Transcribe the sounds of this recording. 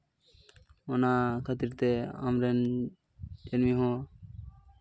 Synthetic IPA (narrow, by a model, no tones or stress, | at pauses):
ɔnakʰat̪iɾt̪ɛa̰mɾɛn | d͡ʒənmiɦɔ̃